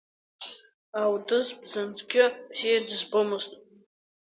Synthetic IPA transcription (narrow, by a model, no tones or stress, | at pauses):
awdɨzbzant͡sʰʼkʲɪbzijadɨzbomɨztʼ